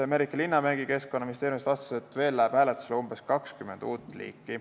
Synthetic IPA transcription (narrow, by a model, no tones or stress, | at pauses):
emeɾikːˑɑlinːɑmæɡ̥ike̞skːonːɑminist̪eːɾimist̪vɑst̪ɑ̥set̪ːˑve̞ːlːæːb̥hæːlet̪ːˑu̥selumb̥e̞skɑkskyme̞nd̪̥uːt̪ːˑlḭːkːˑi